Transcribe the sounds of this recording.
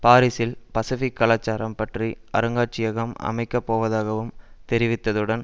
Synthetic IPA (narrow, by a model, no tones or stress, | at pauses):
paːɾɪsɪlpɐsɪfɪkːɐlaːt͡ʃːaːɾɐmpɐʈriɐ̰ɾɯŋɡaːʈ̚t͡ʃɪjɐɣɐmɐ̰mɐɪkːɐpːoːʋɐðaːɣɐʋɯmt̪ɛɾɪʋɪt̪ːɐðɯɽɐn